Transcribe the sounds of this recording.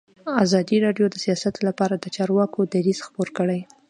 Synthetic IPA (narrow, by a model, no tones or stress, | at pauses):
azɑd̪iɾɑɖjod̪əsijɑsat̪lapɑɾad̪ət͡ʃɑɾwɑkod̪aɾiz̥xpoɾkəɽaj